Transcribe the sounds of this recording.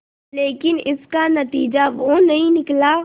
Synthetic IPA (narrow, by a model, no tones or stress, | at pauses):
leːkɪnɪskanɐt̪iːd͡ʒaʋonɐɦĩnɪkla